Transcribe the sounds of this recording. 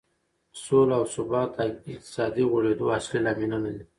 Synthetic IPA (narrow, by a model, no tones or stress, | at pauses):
solawsʊbɑt̪̚d̪aɪq̚t̪ɪ̥sɑd̪iɣoɽed̪oaslilaminanali